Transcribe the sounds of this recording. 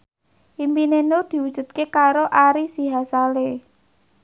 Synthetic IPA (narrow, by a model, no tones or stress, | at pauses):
ʔimpinenod̪̥i̤wud̥ʒ̥ṳt̪̚kekaɾoʔaɾisiɦasale